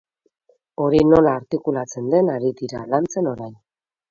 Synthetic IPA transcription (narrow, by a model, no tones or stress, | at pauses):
o̞ɾino̞laːɾt̪ikulat͡se̞nd̪e̞naɾid̪iɾa̰lant͡se̞no̞ɾajn